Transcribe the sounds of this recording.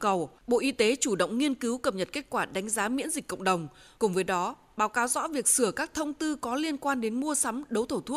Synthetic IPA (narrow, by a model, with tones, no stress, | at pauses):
kə˨˩wɓo̰˧˨ʔi˧t̪e˨˦t͡ɕu˧˩ɗə̰˧˨wŋ͡mŋi˧ənki˨˦wkə˨˩p̚ɲə˨˩t̚ke˦˥t̚kwaː˧˩ɗa˨˦jŋ̟zaː˨˦mḭ˧˥ənzi˨˩k̟kːə̰˧˨wŋ͡mɗə˨˩wŋ͡m | kʊ˨˩ŋ͡mvəː˨˦jɗɔ˨˦ | ɓaː˨˦wkaː˨˦wzɔ̰˧˥vi˨˩ək̚sɨ˧˩əkaː˦˥k̚t̪ʰə˧wŋ͡mt̪ɨ˧kɔ˨˦li˧ənkwaː˧nɗe˨˦nmu˧əsa˨˦mɗə˨˦wt̪ʰə˧˩wt̪ʰu˦˥ək̚